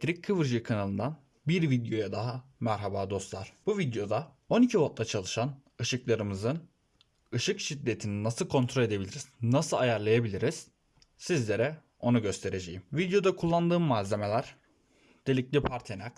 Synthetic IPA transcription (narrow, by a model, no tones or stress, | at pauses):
t̪ʰɾicʰɯvɯɾʒikʰanalˠɯnd̪an | biɾvid̪jo̞jad̪aɦamæɾɦabaːd̪o̞st̪lˠaɾ̥b̥uvid̪jo̞d̪a | o̞nicʰibot̪̚lˠat͡ʃʰalˠɯʃan | ɯʃɯklˠaɾɯmɯzɯn | ɯʃɯkʃid̪ːe̞t̪ʰininasɯlˠkʰo̞nt̪ʰɾo̞lʲe̞d̪ebilʲiɾiz̥nasɯlˠajaɾlˠajabilʲiɾiz̥ | sizlʲe̞ɾɛ | o̞nuɟø̞st̪ʰe̞ɾe̞d͡ʒejimvid̪jo̞d̪akʰulˠːand̪ɯːmːaːze̞me̞lʲæɾ̥ | d̪̥elʲiclʲipʰaɾt̪ʰenak